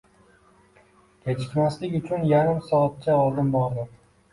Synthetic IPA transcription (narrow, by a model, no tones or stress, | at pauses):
kʲʰet͡ʃʰɪ̥t̪maslɪkʲʊt͡ʃʰʊnjaɾɪmsɒːt̪̚t͡ʃʰaɒlˠd̪ɪmbɒɾd̪ɪ